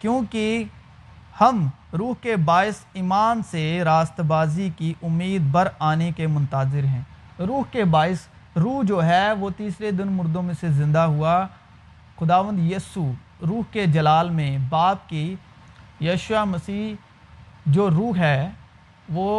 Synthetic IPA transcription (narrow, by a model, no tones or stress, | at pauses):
kjõːki | hɐm | ɾuːɦkebaːɪsiːmaːnseɾaːst̪baːzikiʔʊmːiːd̪̚bəɾaːnekemʊ̃nt̪aːzɪɾɦɛ̃ː | ɾuːɦkebaːɪs | ɾuːɦd͡ʒoːɦɛʋot̪iːsɾed̪ɪnmʊɾd̪õmẽsezɪ̃nd̪aɦʊa | xʊd̪aːʋə̃nd̪jiːsu | ɾuːɦked͡ʒɐlaːlmẽbaːp̚ki | jɐːʃʊamɐsiːɦ | d͡ʒoːɾuːɦɦɛː | ʋoː